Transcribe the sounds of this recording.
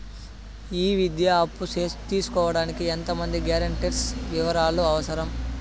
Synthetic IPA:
iːʋid̪jaɐpːuseːt̪iːsu̥kɔːʋɐɽaːnikient̪ɐmɐnd̪iɡjaːɾɐɳʈiːɾsʋiʋɐɾaːluɐʋɐsɐɾɐm

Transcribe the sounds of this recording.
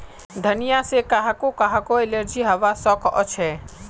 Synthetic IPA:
d̪ʱənijasekaɦakokaɦakoeleɾd͡ʒiɦɐʋasɔkʰɔ̰t͡ʃʰɛ

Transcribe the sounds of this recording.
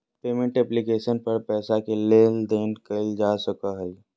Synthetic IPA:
peːmẽɳʈɛplikeːʃənpɐɾpɛːsakeleːld̪eːnkəld͡ʒaːsəkaɦɛi

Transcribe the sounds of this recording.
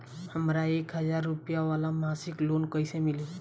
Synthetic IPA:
həmɾaekɦəd͡ʒaɾːupjaʋalamasiklonkəjsemili

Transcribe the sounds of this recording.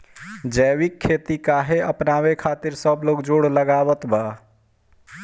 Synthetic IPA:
d͡ʒɛːwikʰːeːt̪ikaːɦeəpnaːwekʰaːt̪ɪɾsəbloːɡd͡ʒoːɽləɡaːwət̪ba

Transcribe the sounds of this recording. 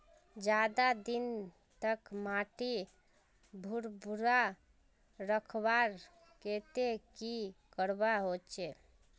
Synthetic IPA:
d͡ʒad̪ad̪in | t̪əkmaʈi | bʱuɾbuɾa | ɾəkʰbaɾ | ket̪ekikəɾbaɦot͡ʃe

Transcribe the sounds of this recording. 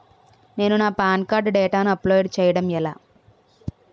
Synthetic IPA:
ne̞ːnunaːpaːnkaːɾɖɖɛːʈaːnuɐplɔːjɖt͡ʃɛːjɐɽɐmɛla̰ː

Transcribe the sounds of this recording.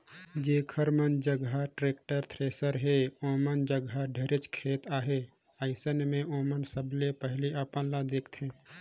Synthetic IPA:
d͡ʒeːkʰəɾmənd͡ʒəɡaʈɾeːk̚ʈəɾt̪ʰɾeːsəɾɦeoːmənd͡ʒəɡaɖʱeɾɪt͡ʃkʰeːt̪aːɦe | əɪsənmẽʔoːmənsəblepəɦliaːpənlad̪eːkʰt̪ʰẽː

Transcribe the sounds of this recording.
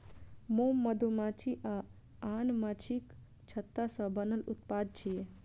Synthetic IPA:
momːəd̪ʱumat͡ʃʰiʔa | anmat͡ʃʰik | t͡ʃʰət̪ːasə̃bənəlṵt̪pad̪̚t͡ʃʰije

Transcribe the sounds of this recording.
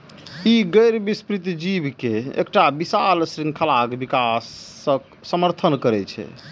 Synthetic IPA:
iɡəɾbispɾit̪d͡ʒibkeḛk̚ʈabisalsɾĩŋɡkʰəlakbikas | ək̚ | səməɾt̪ʰənkəɾɛt͡ʃʰɛ̰

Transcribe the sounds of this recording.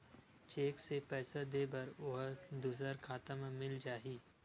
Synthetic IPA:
t͡ʃeːksepɛːsad̪eːbɐɾʊɦd̪us̬əɾkʰaːt̪əmmɪld͡ʒaːiː

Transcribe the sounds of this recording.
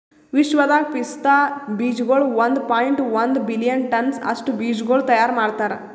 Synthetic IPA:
ʋiʃʋɐd̪aːk̚pist̪aːbiːd͡ʒɡoːɭʋɐnd̪paːjiɳʈʋɐnd̪bilijɐnʈɐnsɐ̰ʂʈubiːd͡ʒɡoːɭt̪ɐjaːɾmaːɖt̪aːɾḛ

